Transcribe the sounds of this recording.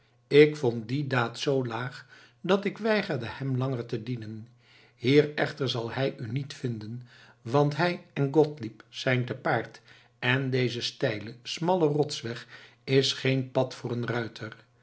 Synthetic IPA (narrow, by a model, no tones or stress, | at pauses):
ɪkfɔnt̚didaːtsowlaːχ | dɑtɪkʋɛjχərdəhɛmlɑŋəɹtədinən | hiːɹɛχtəɹzɑlˠhɛjynitfɪndən | ʋɑntɦɛjɛnɡɔtlipsɛjntəpaːɹt | ɛndejzəstɛjləsmɑlərɔtsʋɛχ | ɪsχejnpɑtfʊːɹənrœɥtʰər